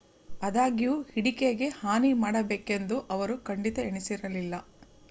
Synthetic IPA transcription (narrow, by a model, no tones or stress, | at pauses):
ɐd̪aːɡijuhiɽikeɡe̞haːnimaːɽɐbeːke̞nd̪uʔɐʋɐɾukɐɳɖit̪ɐeɳisiɾɐlilːɐ